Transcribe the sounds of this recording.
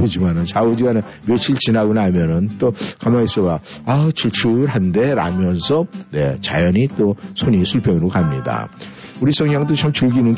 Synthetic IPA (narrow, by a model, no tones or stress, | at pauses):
od͡ʑimanɯnt͡ɕaod͡ʑiɡane | mjot͡ɕʰiɭt͡ɕinaɡonaamjʌnɯnt͈okamais͈ʌbaat͡ɕʰuɭt͡ɕʰuɾɦande̞ɾa̰mjʌnsʰʌne̞t͡ɕa̰jʌɲit͈osʰoɲisʰuɭpʰjʌŋɯɾokamɲida̰uɾisʰʌŋɲaŋdot͡ɕʰamt͡ɕɯɭɡinɯn